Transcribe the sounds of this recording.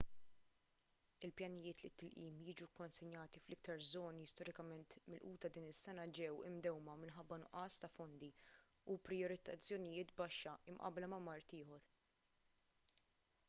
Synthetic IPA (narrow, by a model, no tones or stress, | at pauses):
ɪlpjɐnɪjɪːt̪lɪt̪ːɪlʔiːmjiːd͡ʒukɔnsɪɲjɐːt̪iflɪk̚t̪ɐɾzɔːniɪst̪ɔɾɪkɐmɛnt̪mɪlʔuːt̪ɐd̪iːnɪsːɛnɐd͡ʒɛwɪ̰md̪ɛwmɐmɪnħɐbːɐnʊʔɐːst̪ɐfɔnd̪i | upɾɪjɔɾɪt̪ɐt͡sːjɔnɪjɪːt̪bɐʃːɐɪmʔɐ̰blɐmɐmɐɾt̪ɪːħɔɾ